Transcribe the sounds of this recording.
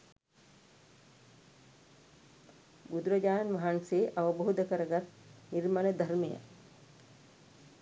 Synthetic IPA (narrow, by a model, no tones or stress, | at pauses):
bud̪ɾəd͡ʒaːnʋaɦanseːʔaʋəboːd̪əkəɾəɡat̪niɾmaled̪ʱaɾmeja̰